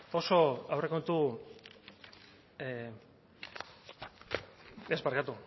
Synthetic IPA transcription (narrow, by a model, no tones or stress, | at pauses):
o̞so̞awre̞ko̞nt̪u | ezbaɾkat̪u